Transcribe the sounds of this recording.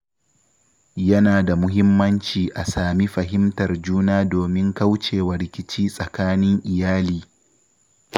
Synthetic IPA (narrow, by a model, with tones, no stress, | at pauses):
jɐ˦naː˨da˨mʊ˦ɦɪ˦mːɐ˦nt͡ʃiː˨ʔa˨saː˨mi˦ɸɐ˨ɦɪ˦mtɐ˨rd͡ʒuː˦naː˦doː˨mɪ˦ŋkɐ˦wt͡ʃeː˨wɐ˨ɾɪ˦kʲɪ˦t͡ʃiː˦sʼɐ˨kaː˦nɪ˦ŋʔɪ˨jaː˦liː˦˨